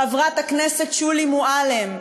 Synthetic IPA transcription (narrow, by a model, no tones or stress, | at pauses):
avʁaet̪akneset̪t͡ʃulimuʔalem